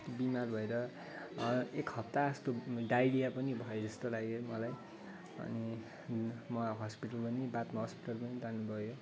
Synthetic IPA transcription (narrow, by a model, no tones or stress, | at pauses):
bimarbʱʌeɾʌ | ekɦʌp̚t̪aʌst̪oɖajlijapʌnibʱʌjod͡zʌst̪olaɡemʌlaj | ʌ̰ni | mʌɦʌspiʈʌlpʌnibat̪maɦʌspiʈʌlpʌnid͡zanubʱʌjo